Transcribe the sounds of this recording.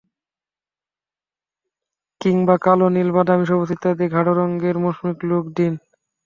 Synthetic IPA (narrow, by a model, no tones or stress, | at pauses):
kiŋbakalonilbad̪amiʃ̬ɔbosit̪ad̪eɡʱaɽoɾɔŋɡeɾmoʃmiklokɖin